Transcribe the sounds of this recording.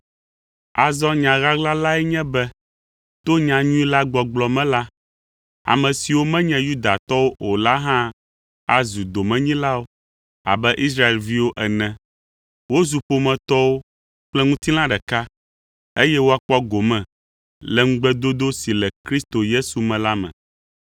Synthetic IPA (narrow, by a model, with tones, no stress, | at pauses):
a˨zɔ˦ɲã˨ɣa˦ɡla˦la˦ɛ˦ɲɛ̃˦bɛ˦ | t̪o˦ɲã˨ɲũ˦i˦la˦ɡ͡bɔ˨ɡ͡blɔ˨mɛ̃˦la˦ | a̰˨mɛ̃˨si˨wo˦mɛ̃˦ɲɛ̃˦ju˦d̪a˨t̪ɔ˦wo˦ʔo˨la˦ɦã˦ | a˦zu˨d̪o˨mɛ̃˨ɲĩ˦la˦wo˦ | a̰˨bɛ˦ʔi˦s̬ɾa˦e˨lvi˦wo˦ʔɛ˨nɛ̃˨ | wo˦zu˨ɸo˨mɛ̃˨t̪ɔ˦wo˦ | k͡plɛ˦ŋũ˦t̪i˦lã˦ɖɛ˨ka˦ | e˦jɛ˦wo˦a˨k͡pɔ˦ɡo˨mɛ̃˨ | lɛ˨ŋ̩̃˦ɡ͡bɛ˦d̪o˦d̪o˦si˨lɛ˨kɾi˦st̪o˨je˦su˨mɛ̃˨la˦mɛ̰̃˨